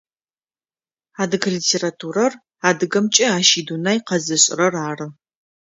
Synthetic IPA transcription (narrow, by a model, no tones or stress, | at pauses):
aːdɨɡʰɐlitʰeːratʰuːɾɐr | aːdɨɡɐmt͡ʃʼɐaːʃiːdunajqɐzɨɕʼɪrɐraːrɨ